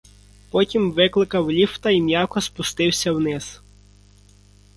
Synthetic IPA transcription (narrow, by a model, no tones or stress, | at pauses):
pɔtʲimʋɪklˠɪkɐwlʲift̪ɐimʲjɑkɔspʊst̪ɪwsʲɐwnɪz̥